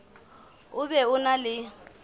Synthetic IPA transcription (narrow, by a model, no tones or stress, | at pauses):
ʊbɛʊnalɪ